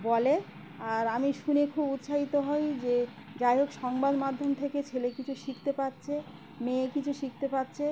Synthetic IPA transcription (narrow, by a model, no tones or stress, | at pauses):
bɔle | aɾamiʃunekʰubut̪ʃaɦit̪oɦɔjd͡ʑe | d͡ʒajoɡʃɔŋbad̪mad̪ʱːomt̪ʰeket͡ɕʰelekit͡ɕʰuʃikʰt̪epatːt͡ɕʰe | mẽkit͡ɕʰuʃik̚ʰt̪epatːɕʰe